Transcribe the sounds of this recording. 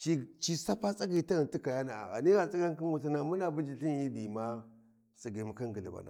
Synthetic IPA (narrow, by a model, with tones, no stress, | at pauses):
t͡ʃi˦t͡ʃi˦sa˦pa˦t͡sa˦ɡi˨ta˦ɣi˨nti˦ka˨ja˦na˨a̰˨ɣa̰˨ni˦ɣa˨t͡sʼi˦ɡa˦ŋ˦ki˦n˦wu˨ta˨na˨mu˦na˨bu˦d͡ʒi˨ɬi˦n˦i˦di˨ma˦ | si˨ɡi˨ma˨ka˦ŋɡə˨li˨ba̰˨na̰˨